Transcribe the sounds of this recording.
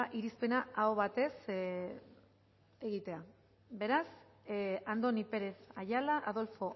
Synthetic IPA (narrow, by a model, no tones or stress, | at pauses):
ʔiɾispe̞naaoβat̪e̞s | e̞ɣit̪e̞a | be̞ɾas | and̪o̞nipe̞ɾe̞θajalaʔaðo̞lfo̞